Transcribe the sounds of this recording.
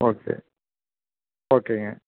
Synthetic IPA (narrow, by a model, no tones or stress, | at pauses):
oːkʰḛː | oːkeŋɐ